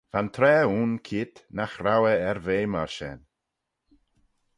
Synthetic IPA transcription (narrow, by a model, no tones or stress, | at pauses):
v̥ant̪ʰɾɛːuːnkʰiːt̪naxɾawəɛɾveːmaɹʃɛ̰n